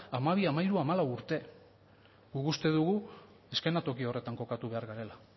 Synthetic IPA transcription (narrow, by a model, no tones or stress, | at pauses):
amaβ̞iamaiɾuamalawuɾt̪e̞ | ɡukust̪e̞ðuɣu | e̞ske̞nat̪o̞kio̞re̞t̪aŋko̞kat̪uβ̞e̞aɾɣaɾe̞la